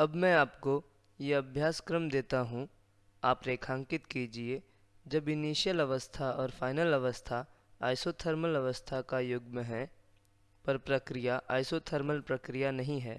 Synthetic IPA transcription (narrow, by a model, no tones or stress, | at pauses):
ɐbmɛ̃aːpko | jeɐbʱjaːskɾəmd̪eːt̪aɦũ | aːpɾeːkʰãːŋkɪt̪kiːd͡ʒieː | d͡ʒɐbɪniːʃijəlɐʋəst̪ʰaɔːɾfʰaːɪnəlɐʋəst̪ʰa | aːɪsoːt̪ʰəɾməlɐʋəst̪ʰakajʊɡmẽɦɛ | pɐɾpɾɐkɾɪjaʔaːɪsoːt̪ʰəɾməlpɾɐkɾɪjanɐɦĩɦɛː